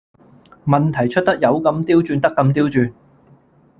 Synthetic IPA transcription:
mɐ˨nt̪ʰɐ˨˩jt͡ʃʰɵ˥t̚t̪ɐ˥k̚jɐ˨˧wkɐ˧mt̪iː˥wt͡ʃyː˧nt̪ɐ˥kːɐ˧mt̪iː˥wt͡ʃyː˧n

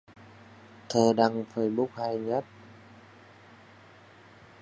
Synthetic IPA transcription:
t̪ʰəː˨˩ɗa˧˩ŋfə˧˩jɓu˦˥k̚ha˧jɲə˦˥t̚

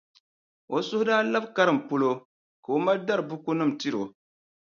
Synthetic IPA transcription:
o˨sʊ˦hʊ˦daː˦la˦bka˦ɾɨ˨m̩˨pʊ˦lo˦ | ka˨o˦ma˦da˦ɾɨ˨bʊ˦ku˦nɨ˦m̩˨ti˦ɾo˨

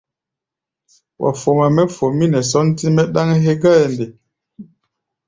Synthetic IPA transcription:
wʔa̰˨fo˨ma˨mɛ˦fo˨mi˦nɛ˨s̬ɔ˦n˦ti˦mɛ˦ɗa˦ŋ˦ɦe˦ɡa˦ɛ˨nde˨

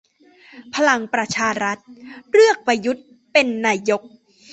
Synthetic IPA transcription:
pʰa˧la˧ŋpɾa˧t͡ɕʰaː˧ɾa˦˥t̪̚ɾɯ˥˩ək̚pa˧ju˦˥t̪̚ | pe˧nːaː˧jo˦˥k̚

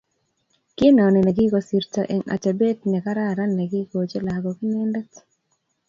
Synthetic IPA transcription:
kɪ˦nɔ˨nɛ˨nɛ˨ɡi˦ɡo˨si˨ɾtɔ̰˨ʔe˨ŋa̰˨t͡ʃa˨be˦tnɛ˨ka˦ɾa˦˨ɾa˦nɛ˨ɡi˦ko˨t͡ʃe˦la˨ɡɔ˨ɡi˦nɛ˦ndɛ˦t

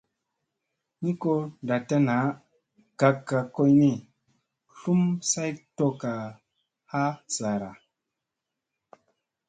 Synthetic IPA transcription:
ni˦ko˧nda˨ta˦na˨˦ | ɡ̥a˨kːa˨ko˧jni˦˨ | ɬu˦msa˦jto˦˧ka˨ | ha˦sa˨ɾa˨

